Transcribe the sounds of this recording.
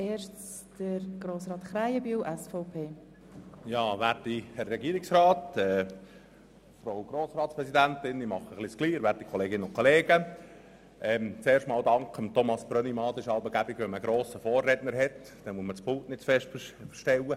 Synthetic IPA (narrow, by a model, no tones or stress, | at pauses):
eːʃt͡s | d̥əɾɡ̥ɾoːsɾɑːt̪χɾajəbyːwʔɛsfɔʊpʰeː | jɑːʋætihɛrːɛɡiːɾɪksrɑːtɛː | fɾowɡ̥ɾoːsɾɑːtspɾɛszid̪ænt̪ɪnimɑχəχliskliːɾʋæːɾtikʰɔleːɡɪnəʊnkʰɔleːɡ̥ə | ʔɛmt͡seːrʃtmɑːldɑŋkəmt̪ʰɔmɑsb̥ɾœnimɑːd̪ɪʃɑlbəɡæbɪɡʋɛməɡɾoːsəfoːrːɛdnəɾɦɛt | d̥ɛnmuəsməspʊltnɪtt͡sfɛʃtfəʃtɛlːə